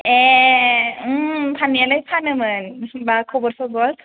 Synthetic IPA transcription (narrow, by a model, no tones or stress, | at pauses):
e | ɯpʰanialajpʰanɯmɯnbakʰɔbɔɾsɔɡɔl